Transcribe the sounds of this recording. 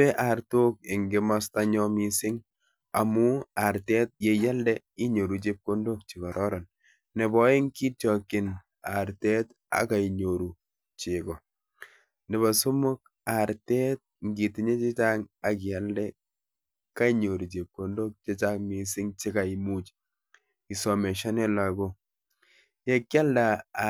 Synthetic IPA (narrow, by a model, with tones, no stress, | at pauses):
ɛ˦ʔa˨ɾto˦k̚ɪ˨ŋɡɪ˦ma˦sta˦ɲɔ˦mi˨sɪ˦ŋ | a˨mu˦a˨ɾte˦t̚je˨ja˦ldɛ | i˦ɲo˨ɾu˨t͡ʃe˦p̚ko˦ndo˦k̚t͡ʃi˨kɔ˨ɾʔɔ˦ɾɔ˨n | nɛ˨bɔ˦e˦ŋki˦tjɔ˨kɪ˨n | a̰˨ɾtɛ˦t | a̰˨ka˨i˨ɲo˨ɾu˨ | t͡ʃe˨kɔ˨ | nɪ˨βa˨su˦mʊ˦k̚ | a˨ɾtɛ˦t̚ŋɡi˨ti˨˦ɲe˦t͡ʃe˦t͡ʃa˦ŋa˨ki˨ja˦ldɛ˦ | ka˦i˦ɲo˨ɾu˨t͡ʃe˨p̚ko˨ndo˦k̚t͡ʃe˦t͡ʃa˦ŋmi˨sɪ˦ŋt͡ʃi˦ka˨i˨mu˦t͡ʃ | i˨sɔ˨mɛ˨ʃa˦nɛ˦la˨ɡo˦ | je˦kja˦lda˨